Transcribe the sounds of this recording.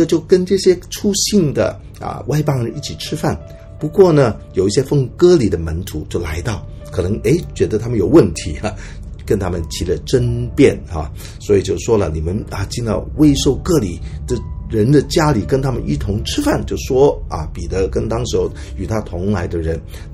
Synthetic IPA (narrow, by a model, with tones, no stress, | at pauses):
ə˧t͡ɕjo˥˩ʊkə˥nʈ͡ʂɤ˥˩ɕjɛ˥ʈ͡ʂʰu˥ɕi˥˩nd̪ə̰˩ | ɐ̰˧wa˥˧ɪpɑ˥ŋɻə˧˦ni˥˩t͡ɕʰi˨˩ʈ͡ʂʰɻ̩˥fa˥˩n | pu˧˥kwɔ˥˩nə˨jo˨˩ʊi˥˩ɕjɛ˥fɤ˥˧ŋkɤ˥˩li˨˩d̪ə˦mə˧˥nt̪ʰu˧˥t͡ɕjo˥˩ʊla̰˧˥ɪt̪ɑ˥˩ʊ | kʰɤ˨˩nɤ˧˥ŋe˧˥ɪt͡ɕɥɛ˧˥d̪ə˧t̪ʰa˥mə˨njo˨˩ʊwə˥˩nt̪ʰi˧˥ɐ˧ | kə˥nt̪ʰa˥mə˨nt͡ɕʰi˧˥lə˨˧˩ʈ͡ʂə˥npjɛ˥˩na̰˨ | swɔ˧˥i˨˩t͡ɕjo˥˩ʊʂwɔ˥lə̰˨ni˨˩mə˦nɐ˨t͡ɕi˥˧nt̪ɑ̰˥˧˩ʊwe˥˧ɪʂo˥˧ʊkɤ˥˩li˨˩tə˥˩ɻə˧˥nd̪ə˨t͡ɕja˥li˨˩kə˥nt̪ʰa˥mə˨ni˥˩t̪ʰʊ˧˥ŋʈ͡ʂʰɻ̩˥fa˥˩nt͡ɕjo˥˩ʊʂwɔ˥ɐ̰˨pi˨˩t̪ə˧˥kə˥nt̪ɑ˥ŋʂɻ̩˧˥xo˧ʊ | y˨˩t̪ʰa˥t̪ʰʊ˧˥ŋla˧˥ɪd̪ə˧ɻə˧˥n